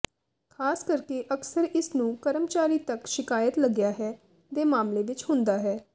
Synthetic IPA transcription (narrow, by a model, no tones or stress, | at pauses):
kʰaːskəɾkeːʔəksəɾɪsnũːkəɾəmt͡ʃaːɾiːt̪əkʃɪkaːjət̪ləɡjaːɦɛː | t̪eːmaːmleːʋɪt͡ʃhʊ̃nd̪aːɦɛː